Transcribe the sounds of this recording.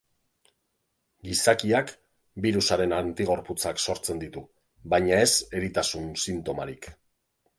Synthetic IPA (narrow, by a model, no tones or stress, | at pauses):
ɡisakiak | biɾusaɾe̞nant̪iɣ̞o̞ɾput͡sakso̞ɾt͡se̞nd̪it̪u | βajɲae̞se̞ɾit̪asunsint̪o̞maɾik